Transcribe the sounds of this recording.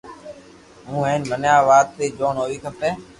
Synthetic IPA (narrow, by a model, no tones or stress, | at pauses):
mũːẽːnbənjaːʋaːt̪ːeːd͡ʒoːɳɦoːʋiːk̪ʰəpeː